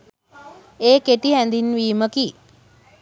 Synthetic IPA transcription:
eːkeʈiɦænd̪inʋiːməki

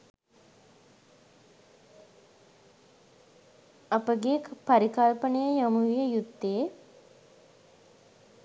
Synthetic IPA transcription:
apəɡekpaɾikalpənəjəjamuʋijəjut̪ːe

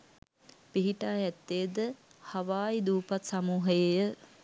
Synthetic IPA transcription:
piɦiʈaːɛt̪ːejəd̪əhaʋaːjid̪uːpat̪samuːɦəjejə

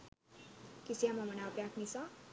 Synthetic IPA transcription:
kisijamamʌnapjaknit͡sʰʌ

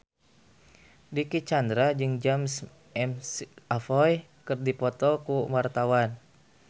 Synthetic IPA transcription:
dikit͡ʃandɾad͡ʒɨŋd͡ʒams | ɛmsafɔj | kɨrdipɔt̪ɔkuwart̪awan

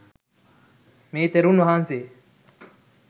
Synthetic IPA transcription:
meːt̪eɾunɐɦaːnse

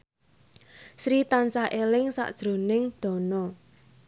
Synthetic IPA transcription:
sɾit̪ansaʔelɪŋsa̰ʔd̥ʒ̥ɾo̤nɪŋd̪̥ɔ̤nɔ

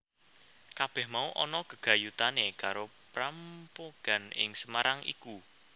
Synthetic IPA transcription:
kab̥ɛhmauʔɔnɔɡ̥əɡ̥a̤jut̪anekaɾopɾampoɡ̥a̤nɪ̰ŋsəmaɾaŋḭku

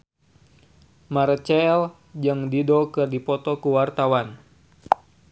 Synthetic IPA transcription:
maɾt͡ʃɛl | d͡ʒɨŋdidɔkɨrdipɔt̪ɔkuwart̪awan

